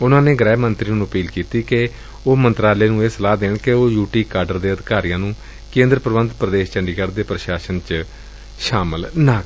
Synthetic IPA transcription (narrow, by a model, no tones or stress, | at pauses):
ʊnãːneːɡɾɛːmənt̪ɾiːnũːəpiːlkiːt̪iːke | oːmənt̪ɾaːleːnũːeːsəlaːd̪eːɽkeoːjuːʈiːkaːɾɖəɾd̪eːəd̪ɪkaːɾijãːnũː | kẽːnd̪ɾəpɾəʋənd̪pɾəd̪eːʃt͡ʃəɳɖiːkəɾd̪eːpɾəʃaːʃənt͡ʃ | ʃaːməlnaːk